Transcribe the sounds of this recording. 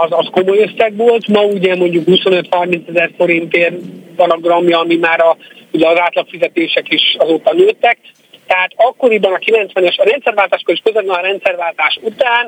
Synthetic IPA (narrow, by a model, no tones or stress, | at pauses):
ɒzɒskomo̞jøsɛɡʋoːlt̪mɒuɟɛmo̞ɲɟukhuso̞nø̞t̪hɒrmint̪sɛzɛrfo̞ɾint̪eːrpɒnɒɡrɒmjɒːmimaːɾɒuɟɛɒzaːt̪lɒkfizɛt̪eːʃɛkiʃɒzoːt̪ɒnøːt̪ːɛk̚ | t̪ɛɦaːt̪ɒkːo̞ɾibɒnɒkilɛnt̪sʋɛnɛʃɒɾɛnt̪sɛrvaːlt̪aːʃkoɾiʃkøzɛt̪ɛnɒɾɛnt̪sɛrvaːlt̪aːʃut̪aːn